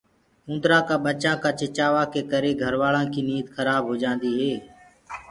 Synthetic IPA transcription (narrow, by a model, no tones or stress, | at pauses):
ʊ̃nd̪ɾãːkaːɓət͡ʃãːkaːt͡ʃɪt͡ʃaːʋaːkeːkəɾeːɡʱəɾʋaːlãːkiːniːt̪xʰəɾaːbɦoːd͡ʒãːnd̪iːɦeː